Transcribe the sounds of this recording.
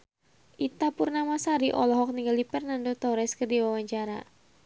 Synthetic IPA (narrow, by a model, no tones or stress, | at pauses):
ʔit̪apurnamasaɾiʔɔlɔɦɔk̚niŋɡaldipɛrnandot̪ɔɾɛskərdiwawaɲt͡ʃaɾa̰